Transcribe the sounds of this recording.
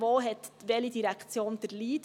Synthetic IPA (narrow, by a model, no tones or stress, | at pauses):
ʋoːɦɛt̪ʋɛlidiɾækt͡sjoːnd̥əɾliːt